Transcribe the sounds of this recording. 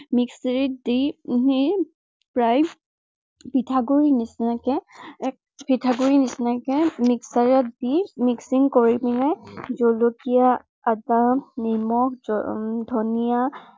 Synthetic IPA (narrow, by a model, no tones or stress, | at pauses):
miksɹit̚diɦi | pɹaj | pitʰaɡuɹinisnakɛ | pitʰaɡuɹinisnakɛmiksaɹatdimiksiŋɡkɔɹibinajzolokija | adanimɔk | d̪ʱɔnija